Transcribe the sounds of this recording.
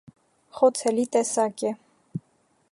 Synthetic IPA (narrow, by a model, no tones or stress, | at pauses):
χɔt͡sʰɛlit̪ɛsɑkɛ